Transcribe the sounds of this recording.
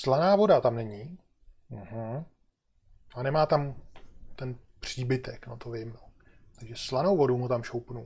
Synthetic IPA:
slanaːvo̞dat̪amnɛɲɪ | m̩ɦ̩ | anɛmaːt̪amt̪ɛnpr̝̥iːbɪt̪ɛknot̪ovɪmno | t̪aɡʒɛslano̞wvo̞dumut̪amʃowpnu

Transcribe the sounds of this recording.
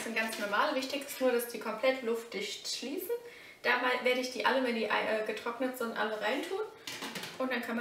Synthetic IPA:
sɪnɡ̥ant͡snɔɐmaːlvɪçtɪçssnuːɐɾasd̥iːkʰɔmpl̥ɛtʰlʊft̚d̥ɪçtʃliːsn̩ | d̥aːmveːɐɾəɪçd̥iːʔaləvɛndiːʔa̰ɪʔɛːɡətʁ̥ɔknətz̥ɪntʔa̰ləʁaɪntʰuːn | ʔʊntd̥ankʰanm

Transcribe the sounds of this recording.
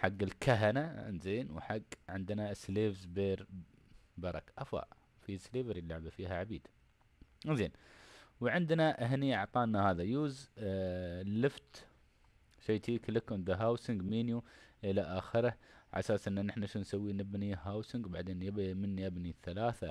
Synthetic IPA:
ħaɡːɪlkaɦana̰nzeːnwħaɡːʕɪnd̪nasleːvzbeːɾ | bɑɾˤɑkʔafa̰ːʔ | fisleːvɪɾjɪlːaʕbafiːɦaʕabiːd̪̥ | nzeːnwʕɪnd̪naʔaɦniʔaʕt̪ˤɑːʔnːahaːðajuːz | lːɪft̪ | ʃajt̪iːklɪkʊnd̪aɦaːwsɪŋɡmiːnjuʔɪlaʔaːxɪɾaʕa̰saːsʔɪnːanɪħnaʃnsawːiːnɪbniɦawsɪŋɡbaʕd̪eːnjabimɪnːiʔabniθːalaːθa

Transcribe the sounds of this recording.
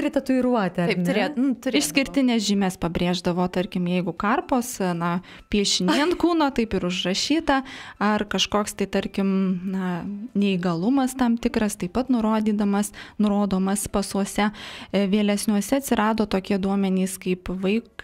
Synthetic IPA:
ɾʲɪt̪ɐt̪ʊɪɾuɔt̪ʲɛɐɪnʲeːʊt̪ʊɾʲɪʃʃsʲkʲɪɾʲtt̪ʲɪnʲɛːsʒʲɪmʲɛspɐbʲɾʲeːʒd̪ɐʋoːt̪ɐɾʲkʲɪmjɛɪɡʊkɐrpoːsnɐ | pʲiɛʃʲɪnʲiɛnkuːnoːt̪ɐɪpɪɾʊʒrɐʃʲiːt̪ɐɐrkɐʃkoːkst̪ɐɪt̪ɐɾʲkʲɪmnɐnʲɛɪɡɐlˠʊmɐst̪ɐmt̪ʲɪkɾɐst̪ɐɪpɐt̪nʊɾoːd̪ʲiːd̪ɐmɐsnʊɾoːd̪oːmɐspɐsuɔsʲɛʋʲeːlʲɛsʲnʲuɔsʲɛɐt̪ʲsʲɪɾɑːd̪oːt̪oːkʲiɛd̪uɔmʲɛnʲiːskɐɪpʋɐɪk

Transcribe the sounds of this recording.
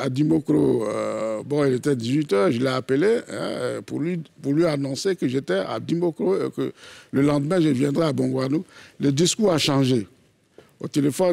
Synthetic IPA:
ad̪imokɾo | bɔ̃ilet̪ɛd̪izɥit̪œʁʒəlɛapeleɛ̰̃pṵlipuʁlɥianɔ̃sekəʒet̪ɛa̰d̪imokɾoḛkə̰ləlɑ̃d̪əmɛ̃ʒəvjɛ̃d̪ʁɛabɔ̃ɡwanuləd̪iskuʁaʃɑ̃ʒe | o̰t̪elefɔn

